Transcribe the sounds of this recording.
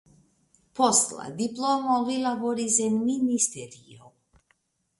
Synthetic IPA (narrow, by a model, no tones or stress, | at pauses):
pɔslˠa̰d̪iplˠɔmɔvilavɔɾizɛnminist̪ɛɾio̰w